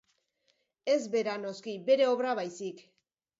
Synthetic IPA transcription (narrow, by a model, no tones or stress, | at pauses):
e̞zbe̞ɾano̞skibe̞ɾe̞o̞βɾaβajsik